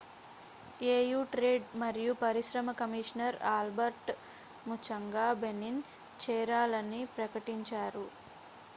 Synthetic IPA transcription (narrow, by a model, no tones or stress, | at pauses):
eːjuːʈɾeːɖmɐɾijupɐɾiʃɾɐmɐkɐmiːʂnɐɾaːlbɐɾʈ | mut͡ʃɐŋɡaːbenin | t͡ʃɛːɾaːlɐnipɾɐkɐʈiɲt͡ʃaːɾu